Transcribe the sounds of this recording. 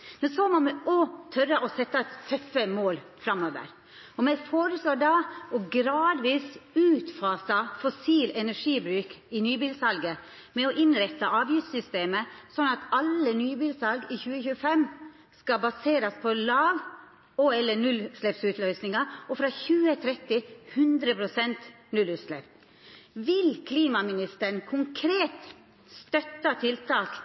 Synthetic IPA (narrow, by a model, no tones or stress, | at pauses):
mɛnsomɔmɛʔɔt̪ʰœɾːəʔɔsɛt̪ːɑt̪ʰœfːəmoːlfɾɑmoːʋə̰ɾ | ɔmæɪfoːɾəsloːɖɑɔɡɾɑːd̪ʋiːsʉːt̪fɑːsɑfɔsiːlɛnæʂiːbɾʉːkɪnyːbiːlsɑlɡə | mɛɔʔɪnɾɛt̪ːɑʔɑːʋjɪft̪sʏst̪eːməsɔnːɑt̪ɑlːənyːbiːlsɑlɡiːçʉːəçʉːəfɛm | skɑbɑseːɾɑspʰɔlɑːʋ | oɛlːənʉlslɛpsʉt̪lœʏsnɪŋɑɔfɾɑːçʉːət̪ʰɾɛt̪ːɪhʉnd̪ɾəpʰɾʊsɛnt̪ | nʉlʉːt̪slɛp | ʋɪlkʰliːmɑmɪnɪst̪əɳkʰʊŋkʰɾeːt̪ | st̪œt̪ːɑt̪ʰɪlt̪ʰɑːk